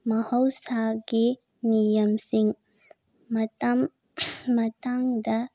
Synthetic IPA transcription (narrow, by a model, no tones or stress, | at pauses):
mɐhɐwsaɡi | nijɐmsiŋ | mɐtam | mɐtaŋdɐ